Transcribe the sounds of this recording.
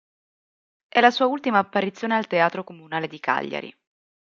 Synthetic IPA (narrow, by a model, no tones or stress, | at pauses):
ʔɛlːasuːault̪imaːpːaɾit̪sːjoːnealt̪eaːt̪ɾokomunaːled̪ika̰ʎːa̰ɾḭ